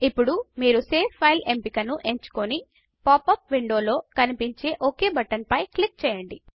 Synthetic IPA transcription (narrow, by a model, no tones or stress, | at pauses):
ipːuɽumiːɾuse̞ːpʰːɐjle̞mpikɐnuʔe̞ɲt͡ʃu̥koni | paːpːɐp̚ʋiɳɖo̞ːlo̞ːkɐnipiɲt͡ʃe̞ːʔoke̞ːbɐʈːɐnpɐjklik̚t͡ʃɛːjɐɳɖi